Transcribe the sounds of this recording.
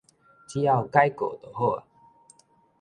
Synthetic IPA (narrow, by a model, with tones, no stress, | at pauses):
t͡ɕi˦ja˥˨ʊka˦jko˨˩t̪o˨˩ho˥˨a̰˨